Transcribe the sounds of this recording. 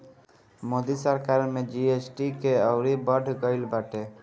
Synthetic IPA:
moːd̪isəɾkaɾmẽd͡ʒiesʈikeəʊɾibəɖʱɡəɪlbaʈe

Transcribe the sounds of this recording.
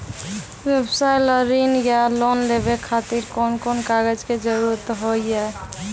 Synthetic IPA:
wjəbsajləɾinjalonlebekʰat̪iɾkonkonkaɡəd͡ʒked͡ʒəɾuɾt̪ɦojjɛ

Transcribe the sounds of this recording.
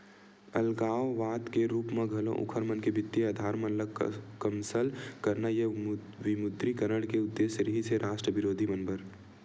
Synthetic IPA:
ɐlɡaːoʋaːt̪keɾuːpmẽɡʱɐlõ̰ʔʊ̰kʰəɾmənkebɪt̪ːiad̪ʱaːɾmɐnləkɐmsəlkɐɾnaje | ʋɪmʊd̪ɾikɐɾəɽkeʊd̪ːeːʃəɾiɦiseɾʔaːʃʈɾəʋɪɾoːd̪ʱimɐnbəɾ

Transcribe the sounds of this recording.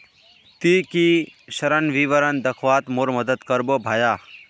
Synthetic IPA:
t̪ikiɕɐɾənʋiʋəɾənd̪ɐkʰʋat̪moɾmɐd̪ət̪kəɾbobʱaːja

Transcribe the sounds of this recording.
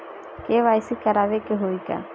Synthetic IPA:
keβaisikaɾaβekeɦoika̰

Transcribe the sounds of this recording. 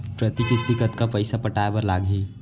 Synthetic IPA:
pɾət̪ikɪsd̪ɪkət̪kapɐɪsapɐʈaːjbɐɾlaːɡĩː

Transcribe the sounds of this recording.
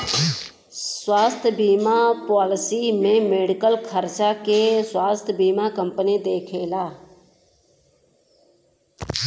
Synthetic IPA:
swaːst̪ʰbʱiːmapaːlɪsiːmẽːmeːɖɪkəlkʰəɾt͡ʃaːkeswaːst̪ʰbʱiːmaːkəmpənid̪eːkʰeːlaː

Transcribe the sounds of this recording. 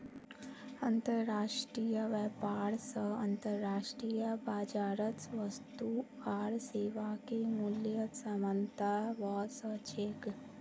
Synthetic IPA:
ɐ̃nt̪əɾːaːʃʈɾijəʋɛːpaːɾsəɐ̃nt̪əɾːaːʃʈɾijəbaːd͡ʒaːɾət̪sʋəst̪u | aːɾseːʋakemuljəsəmənt̪aʋɔsət͡ʃʰek

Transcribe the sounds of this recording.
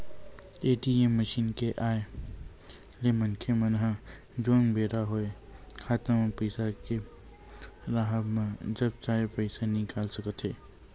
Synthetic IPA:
eːʈiemːəʃiːnkeʔaːe | lemɐnkʰemənɦã | d͡ʒoːnbʱeːɾaɦoːe | kʰaːt̪əmãpəɪsake | ɾaɦəbmãd͡ʒɐb̚t͡ʃaːepəɪsanɪkaːlsəkət̪ɦeː

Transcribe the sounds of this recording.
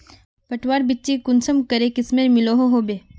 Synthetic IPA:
pɐʈʰwaːɾbɪtːt͡ʃikʊnsəmkɐɾekɪsmeɾmɪloɦoɦoːbeː

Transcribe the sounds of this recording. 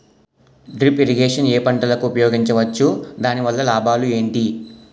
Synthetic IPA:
ɖɾipeɾiɡeːʂɐneːpɐɳʈɐlɐkuːpɐjoːɡiɲt͡ʃɐʋɐt͡ʃːud̪aːniʋɐlːɐlaːbʱaːlue̞ːɳʈi

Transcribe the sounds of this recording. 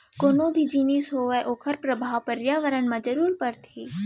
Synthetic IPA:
koːnõːbʱid͡ʒiːnisɦoːʋeʔoːkʰəɾpɾɐbʱaːʋpəɾjaːʋəɾənmãd͡ʒəɾuːɾpɐɾt̪ʰiː

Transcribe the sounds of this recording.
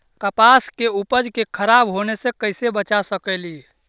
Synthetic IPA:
kəpaskeupəd͡ʒkekʰəɾabɦonesẽkəɪsebət͡ʃasəkəli

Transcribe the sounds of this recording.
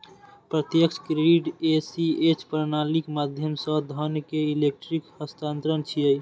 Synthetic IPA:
pɾət̪jəkt͡ʃʰkɾeɖiʈesiet͡ʃpəɾnalikmad̪ʱjəmsə̃d̪ʱənkeilek̚ʈɾikhəst̪ant̪ɾənt͡ʃʰiəj

